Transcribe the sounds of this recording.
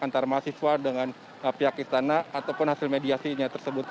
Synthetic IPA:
ant̪armasiswardəŋan | əpiakist̪anaat̪awpʊnhasɪlmediasiɲat̪ərsəbʊt̪̚

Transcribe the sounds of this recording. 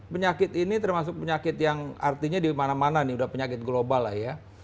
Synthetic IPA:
pəɲakɪt̪init̪ərmasʊk̚pəɲakɪt̪jaŋart̪iɲadimanamananiudahpəɲakɪt̪̚ɡlobalːahja

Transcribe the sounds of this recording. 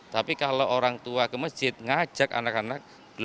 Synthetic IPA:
t̪apikaloʔoɾaŋt̪uakəməsʒ̥ɪt̪̚ŋḁd͡ʒʒ̥ak̚a̰nakanak̚ | b̥əl

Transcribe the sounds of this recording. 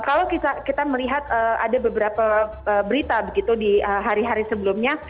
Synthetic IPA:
kalawkit̪akit̪aməliɦat̪̚əa̰dabəbəɾapa | əːbəɾit̪abəɡit̪udiəɦaɾiɦaɾisəbəlʊmɲa

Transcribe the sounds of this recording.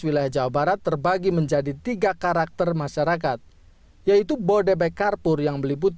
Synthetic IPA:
wilajahd͡ʒawabaɾat̪ːərbaɡiməɲd͡ʒadit̪iɡakaɾak̚t̪ərmaʃaɾak̬at̪̚ | jait̪ubodebɛkarpʊrjaŋməliput̪

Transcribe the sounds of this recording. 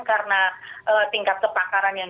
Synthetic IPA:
nkaɾənaʔət̪iŋkap̚səpakaɾanjan

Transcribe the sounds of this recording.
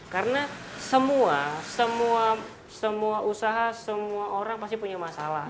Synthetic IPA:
karənasəmuasəmua | səmuaʔusaɦasəmuaʔoɾaŋpast̪ipuɲamasalah

